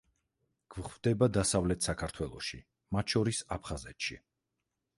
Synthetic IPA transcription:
ɡ̥vχvd̪ɛbad̪asavlɛt̪ʰsakʰaɾt̪ʰwɛlˠɔ̰ʃḭ | mat̪ʃɔɾisapʰχazɛt̪ʃḭ

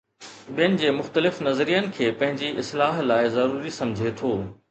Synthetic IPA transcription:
ɓijənɪ̆d͡ʑeːmʊxt̪əlɪfnɐzɾijənɪ̆kʰeːpɐ̃ɦɪ̃ɲd͡ʑiʔɪslaːɦlaːɪzɐɾuːɾisɐ̃md͡ʑʱet̪ʰoː

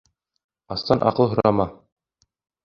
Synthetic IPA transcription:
ɑst̪ɑnʔɑ̰qɤlˠɦŏɾɑmɑ

